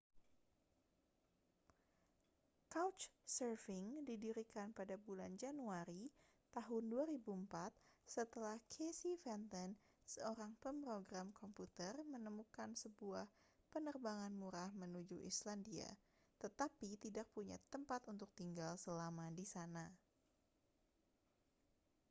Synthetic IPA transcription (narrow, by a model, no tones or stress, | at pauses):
kawt͡ʃsərfɪŋdidiɾikanpadabuland͡ʒanuaɾi | t̪aɦʊnduaɾibumpat̪̚sət̪əlahkʰesifɛnt̪ən | səoɾaŋpəmpɾoɡɾamkɔmput̪ərmənəmukansəbuah | pənərbaŋanmuɾahmənud͡ʒuʔḭslandia̰ | t̪ət̪apit̪idak̚puɲa̰t̪əmpat̪unt̪ʊk̚t̪iŋɡalsəlamadisana